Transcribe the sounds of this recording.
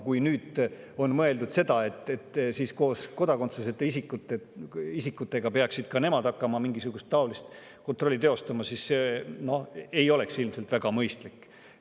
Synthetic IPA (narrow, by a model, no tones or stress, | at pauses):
kujnyːd̪ | o̞nmɤe̞ld̪ud̪̥se̞d̪̥ɑe̞t̪ːet̪ːsiːsko̞ːsko̞d̪ɑko̞nt̪sese̞t̪ːeisikːˑut̪ːeisikːˑut̪ːˑe̞ɡ̥ɑpe̞ɑksid̪̥kɑne̞mɑd̪ɑkːɑmɑmiŋɡisuɡ̥ust̪ːɑolist̪ | kot̪ɾro̞lʲːit̪e̞o̞st̪ɑmɑsisse̞no̞he̞jo̞le̞ksilmselt̪væɡ̥ɑmɤjst̪likːˑ